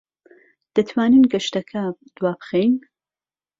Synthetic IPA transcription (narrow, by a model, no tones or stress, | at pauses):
d̪̥ɐt̪ʰwaːnɨnɡɐʃt̪ɐkʰɐd̪̥waːbɨxejn